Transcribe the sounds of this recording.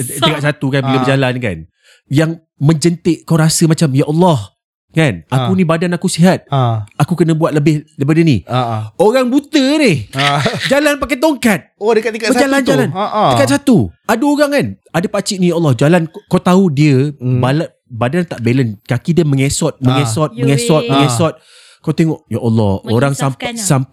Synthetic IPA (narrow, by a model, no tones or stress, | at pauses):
təkaʔ̪s̬at̪ukanbiləbəd͡ʒalanka̰n | jaŋ | mə̃ɲd͡ʒənt̪ɪʔkawɾasəmat͡ʃamjaʔɔlːɔh | kanakunĩbadanakusiɦat̪̚akukənə̃buat̪̚ləbɪhləbɪdənḭoɾaŋbut̪ənihd͡ʒalanpakat̪̬oŋkat̪̚odəkat̪ikatəd͡ʒaland͡ʒalanikat̪̚sat̪uadaoɾaŋkanadəpat͡ʃiʔnijaʔɔlːɔhd͡ʒalankɔt̪audiəbala | badant̪aʔbelənkakidəməŋesɔt̪̚mə̃ŋesɔt̪̚məŋesɔt̪̚mə̃ŋesɔt̪̚ | kawt̪eŋɔʔjaʔɔlːɔ̰hoɾaŋsasamp